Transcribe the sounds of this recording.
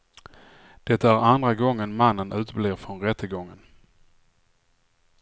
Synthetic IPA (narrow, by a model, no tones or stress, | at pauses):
d̪̥ɛt̪ːaæɾand̪ɾaɡɔŋːənmanːənʉ̟ːt̪bleːɾfɾɔnɾɛt̪ːəɡɔŋːən